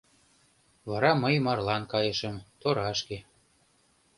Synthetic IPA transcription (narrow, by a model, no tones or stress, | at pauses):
βɑɾɑməjmɑrlɑnkɑjəʃə̆mt̪oɾɑʃke